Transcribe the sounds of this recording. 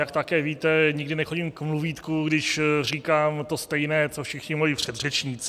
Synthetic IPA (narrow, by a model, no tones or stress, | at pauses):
jakt̪akɛːviːt̪ɛɲɪɡdɪnɛxo̞ɟimkmluviːt̪kuɡdɪʃr̝iːkaːmt̪o̞st̪ɛjnɛːt͡sofʃɪxɲɪmolɪpr̝̥ɛd̪rɛt͡ʃɲit͡sɪ